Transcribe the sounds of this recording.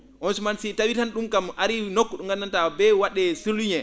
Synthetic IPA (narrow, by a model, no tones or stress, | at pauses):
ʔɔnsumansitawitanɗumɡamaɾinokːɔɗuŋɡanːantabɛwaɗːɛsulːuɲɛ